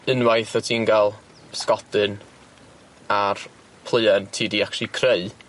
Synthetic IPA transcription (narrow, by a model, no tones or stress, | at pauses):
ənwajθɔtʰinɡalˠ | skɔdɨn | ar | pʰlˠəjɛntʰiːdiakʃˠikʰreɨ